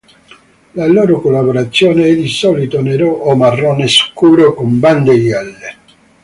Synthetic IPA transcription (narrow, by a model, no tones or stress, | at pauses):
laloːɾokolːaboɾat̪sːjɔːneɛd̪isɔlit̪oneɾoʔɔmarːɔneskuːɾokomband̪eɛlːe